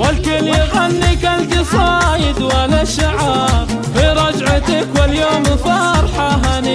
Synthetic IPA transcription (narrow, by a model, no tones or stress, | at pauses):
walkɪlɪɣanːɪkald̪isˤɑːjɪd̪walaʃaʕɑːɾ | fiɾˤɑd͡ʒʕat̪ɪkwɪljoːmfˤɑɾˤħɑɦani